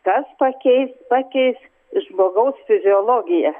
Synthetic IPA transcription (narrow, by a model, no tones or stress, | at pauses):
kɐspɐkʲɛɪspɑkʲɛɪs | ʒmoːɡɐʊsfʲɪzʲɪoːlˠoːɡʲɪjɛ